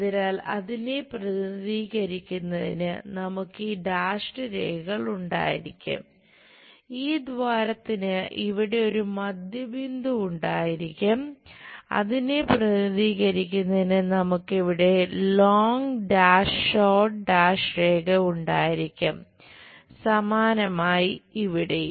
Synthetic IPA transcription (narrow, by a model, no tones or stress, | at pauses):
ðinaːlɐðine̞prɐðiniðiːɣɐɾikʲːunːɐðḭnɨ̰nɐmukːɨɖaːʂʈɨɾḛːɡɣɐɭuɳɖa̰ːjḭɾikʲːṵm | iːd̪ʋaːɾɐt̪ːinɨʔiʋiɽe̞o̞ɾumɐd̪jɐbind̪uːɳɖaːjiɾikʲːumɐ̰ðineprɐɣðiːɣɐɾikʲːunːɐðinɨnɐmukːiʋiɽe̞loːŋɡɖaːʂːoːʈɖaːʂɾe̞ːɡɐuɳɖaːjiɾikʲːum | sɐmaːnɐmaːjiiʋiɽe